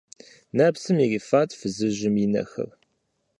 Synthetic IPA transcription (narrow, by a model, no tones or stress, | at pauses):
naːpsɨmiriːfaːtfɨzɨʒɪminɐ̰xɐ̰r